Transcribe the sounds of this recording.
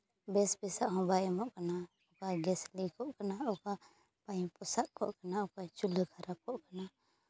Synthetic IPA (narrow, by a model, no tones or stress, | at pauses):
bɛsbɛsaʔhɔ̃bajɛmɔʔkana | ʊkaɡɛslikʰɔʔkanaɔka | paĩpɔsaʔkɔ̰ʔkanaɔkat͡ʃulkʰaɾap̚ɔʔkana